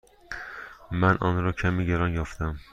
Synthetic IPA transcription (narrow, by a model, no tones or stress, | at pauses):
mænʔɒ̰nɾɒːcʰæmiːɟeɾɒnjɒft̪æm